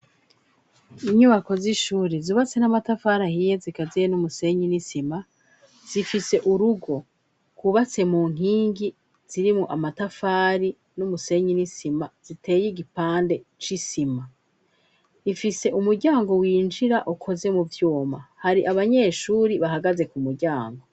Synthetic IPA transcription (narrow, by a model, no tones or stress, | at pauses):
iɲuβako̞ziʃuːɾizuβat͡se̞namatafaːɾahije̞zikazijenumuse̞ɲinisima | z̥ifise̞ʔuɾuɡo̞ | kuβat͡se̞muːŋ̥iːŋɡi | z̥iɾimŋo̞ʔamatafaːɾi | numuse̞ɲinisimaz̥ite̞ːjiɡipaːnde̞t͡ʃisima | ifise̞ʔumuɾɟaːŋɡo̞wiːnd͡ʒiɾaʔukʰo̞ze̞muvjuːma̰haɾiʔaβaɲe̞ʃuːɾiβaɦaɡaze̞kumuɾɟaːŋɡo̞